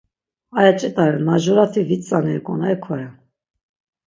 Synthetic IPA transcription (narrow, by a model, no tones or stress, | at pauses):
ajat͡ʃʼɛt̪ʼaɾɛnmaʒɔɾat̪ʰivit͡sʼanɛɛkʼɔnaɛkʰɔɾɛ